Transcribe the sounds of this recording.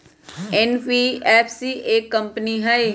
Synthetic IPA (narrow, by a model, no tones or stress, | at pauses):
ɛnpiɛːpʰsieːkːɐ̃mpniɦɐj